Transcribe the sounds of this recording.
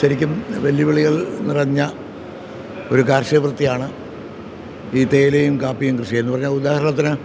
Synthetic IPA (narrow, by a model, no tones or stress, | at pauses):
ʃɐɾikʲːumʋeljiʋiɭiɣɐɭnirɐɲːɐ | oɾukaːrɕɐʋrɨt̪ːijaːɳɨ | iːt̪e̞ːlejumkaːpːijumkrɨɕiɐe̞nːpɐrɐɲːaud̪aːhɐɾɐɳɐt̪̬ːinɨ